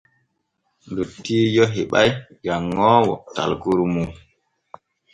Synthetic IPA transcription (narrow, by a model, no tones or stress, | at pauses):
ndutːiːjɔɦiɓajjaŋːɔːwɔ̰ta̰lkuɾmu